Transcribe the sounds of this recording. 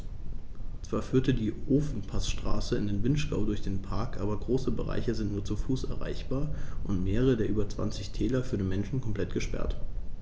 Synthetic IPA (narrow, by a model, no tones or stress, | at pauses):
t͡sv̥aːɐfyːɐtədiːʔoːfn̩pʰasʃtʁ̥aːsəɪndeːnvɪnʃɡ̥aʊdʊɐçd̥eːnpʰaɐkʔaːbɐɡʁoːsəbəʁa̰ɪçəzɪntnuːɐt͡sufuːsɛ̰ɐʁa̰ɪçb̥aːɐʔʊntmeːʁəʁ̞ədeːɐʔyːbɐt͡sv̥a̰nt͡sɪçtʰɛːlɐfyːɐdeːnmɛnʃn̩kʰɔmpl̥ɛtɡ̥əʃpɛ̰ɐt